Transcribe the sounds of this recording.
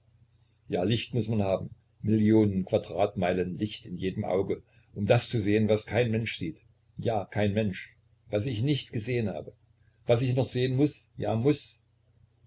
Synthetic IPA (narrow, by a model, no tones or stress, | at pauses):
jaːlɪçtmʊsmanhaːbm̩ | mɪljoːnənkʰv̥adʁaːtmaɪlənlɪçtɪnjeːdəmʔa̰ʊɡə | ʔʊmdast͡suzeːənvaskʰaɪnmɛnʃz̥iːt | jaːkʰaɪnmɛnʃ | vasɪçnɪçtɡ̥əzeːənha̰ːbə | vasɪçnɔχz̥eːənmʊsjaːmʊs